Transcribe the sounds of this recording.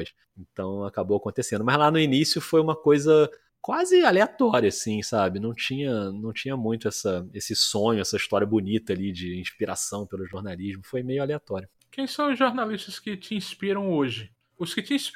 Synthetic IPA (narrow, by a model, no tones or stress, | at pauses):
jʃ | ẽnt̪ɐ̃w̃akabowakõnt̪esẽnd̪ʊmɐzlanʊinisjʊfojũmɐkojzɐ | kwazɪaleat̪ɔɾjɐasĩsabɪnɐ̃w̃t͡ʃĩɲɐnɐ̃w̃t͡ʃĩɲɐmũj̃t̪ʊɛsɐesɪsõɲʊɛsɐiʃt̪ɔɾiɐbʊnit̪ɐalid͡ʒɪĩʃpiɾa̰sɐ̃w̃pelʊʒoɾnaliʒmʊfojmejʊaleat̪ɔɾjʊ | kẽj̃sɐ̃w̃ʊzʒoɾnaliʃt̪ɐskɪt͡ʃɪĩspiɾɐ̃w̃oʒɪ | ʊskɪt͡ʃɪĩs